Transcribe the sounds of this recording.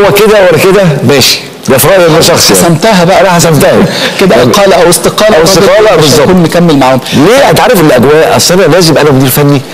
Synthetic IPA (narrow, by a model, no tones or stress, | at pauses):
wːæked̪æwælːæked̪æmæːʃi̥ | d̪æfɾˤɑːʔjenæʃɑxsˤasæmt̪æɦæbæʔæænæħasæmt̪æhæked̪æqɑːlæʔæwest̪eqɑːlææwsd̪ɑːlæbeʃzːɑkuːnmekæmːelmaʕhomleːæt̪ʕaɾefʔelːʔæɡ̪wæːʔʔæsːʔænælæːzemʔænæmod̪iːɾfænːi